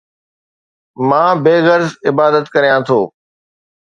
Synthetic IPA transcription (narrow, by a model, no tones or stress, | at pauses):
mãːbeːɣəɾzɪbaːd̪ət̪kɐɾijãːt̪ʰoː